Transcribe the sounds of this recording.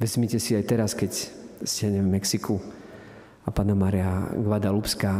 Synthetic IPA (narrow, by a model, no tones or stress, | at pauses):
ʋɛzmicɛsiajt̪ɛɾaskɛcz̥d͡ʑɪaɲɛvmɛksikʰu | apaːnamaːɾiaɡʋad̪alupskaː